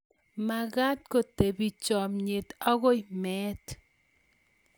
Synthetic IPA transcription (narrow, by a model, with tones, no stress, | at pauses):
ma˨ɣa˦t̚ko˨te˨bi˨t͡ʃɔ˨mɲe˨ta˦ɣo˦jmɛ˦t